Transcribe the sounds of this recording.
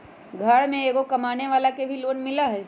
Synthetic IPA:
ɡʱaːɽmẽeːɡokɐmaːneʋaːlakebʱiloːnmɪlaɦɛː

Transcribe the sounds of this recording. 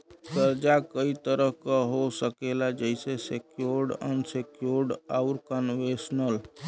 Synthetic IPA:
kəɾd͡ʒakəit̪əɾəɦkəɦosəkelad͡ʒəɪsesekjoɾɖə̰nsekjoɾɖaʊɾkənʋesnəl

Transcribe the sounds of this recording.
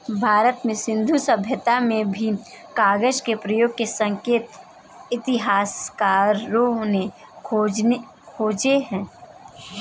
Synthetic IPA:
bʱaːɾət̪mẽsɪ̃nd̪ʱusəbʱjət̪amẽbʱi | kaːɡəd͡ʒkepɾəjoːɡ̚kesə̃ŋkeːt̪ | ɪt̪ɪɦaːskaːɾõne | kʰo | kʰoːd͡ʒeɦɛ̃ː

